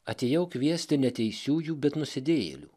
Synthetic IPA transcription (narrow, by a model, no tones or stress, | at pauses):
ɐt̪ʲeːjɛʊkʲʋʲiɛsʲt̪ʲɪnʲɛt̪ʲɛɪsʲuːjuːbʲɛt̪nʊsʲɪd̪ʲeːjḛlʲṵː